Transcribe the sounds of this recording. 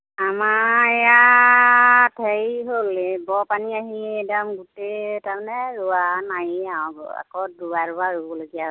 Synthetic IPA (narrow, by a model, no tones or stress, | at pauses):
amaɛja | tʰejɦolebɔpaniaɦiɛdamɡutetaɹmanɛɹuanajaɔ̃ɡ̰a̰kɔduwaɹuaɹuɔloɡija